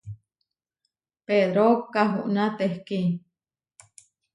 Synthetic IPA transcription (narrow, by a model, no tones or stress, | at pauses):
peðɾokaɦuʔnãt̪ehki